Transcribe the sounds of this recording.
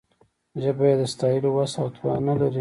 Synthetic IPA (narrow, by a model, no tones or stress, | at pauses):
ʒəbajed̪əst̪ɑjəlowasawt̪wɑ̰nalaɾi